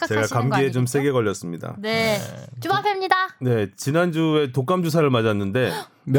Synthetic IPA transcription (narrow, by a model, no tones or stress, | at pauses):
t͡ɕe̞ɡakamɡɡeet͡ɕomsʰe̞ɡe̞ɡʌʎjːʌs͈ɯmɲida̰net͡ɕumapʰemɲidane̞t͡ɕinand͡ʑue̞tok͈amd͡ʑusʰaɾɯɭmad͡ʑanːɯnde̞